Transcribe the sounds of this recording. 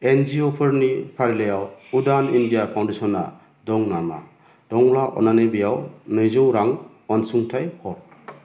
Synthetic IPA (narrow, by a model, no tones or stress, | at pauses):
end͡ʒiɔpʰɯɾnipʰaɾilejawudanindijapʰawndesɔnːa̰ | dɔŋnama̰ | d̥ɔŋlaʔɔ̰nanɯbijawnɯjzɯwɾaŋ | ɔnsuŋtʰajhɔ